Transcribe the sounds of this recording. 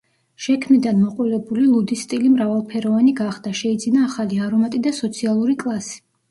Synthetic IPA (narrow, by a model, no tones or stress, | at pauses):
ʃɛkʰmid̪anmɔqʼulɛbulilˠud̪ist̪ʼilimɾavalˠpʰɛɾɔvaniɡaχd̪aʃɛid̪zinaːχaliaɾɔmat̪ʼid̪asɔt̪sʰialˠuɾikʼlˠasi̥